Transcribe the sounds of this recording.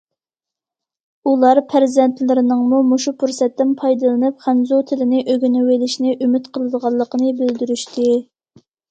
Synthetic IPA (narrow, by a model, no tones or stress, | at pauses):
ulˠɑɾpʰæɾzɛnt̪lɪɾɪnɨŋmumoʃupʰuɾsɛt̪ːɪnpʰɑjd̪ɨlˠɨnɨpχænzot̪ʰɪlɪnɪʔøɡʲynɪwelɪʃnɪʔymɪt̪qʰəlˠɨd̪əʁɑlˠːəqənɨbɪld̪yɾyʃt̪ʰɪ